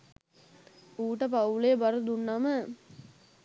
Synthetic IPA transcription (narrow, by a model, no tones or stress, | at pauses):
uːʈəp̬aulebɐɾud̪unːamə